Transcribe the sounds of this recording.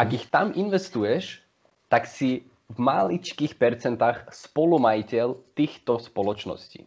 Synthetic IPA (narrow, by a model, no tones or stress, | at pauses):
ʔaɡixt̪aminʋɛst̪ujɛʃ | t̪aksi | vmalit͡ʃkiːxpɛɾt͡sɛnt̪aːxspɔlumajicɛlt̪iːxt̪ɔspɔlɔt͡ʃnɔ̰scḭː